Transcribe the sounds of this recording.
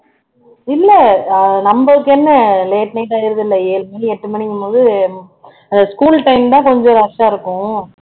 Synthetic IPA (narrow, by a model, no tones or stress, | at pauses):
ɪlːɛnɐmbɐʋɯkːɛnːɐleːʈnɐɪʈ̬ːaːjɪɾɯðɪlːɐeːlmɐiɛʈːɯmɐɳɪŋɡɯmpoːðɯ | ɐnd̪ɐskuːlʈɐɪmt̪ãːkɔɲd͡ʒɔ̃ːɾɐʂaːɪɾɯkːʊ̃